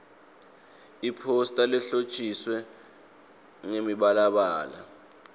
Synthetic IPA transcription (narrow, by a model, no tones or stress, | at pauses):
ipʰostʼalɛɬot͡ʃʼiswɛ | ŋemiɓalaɓaːla̰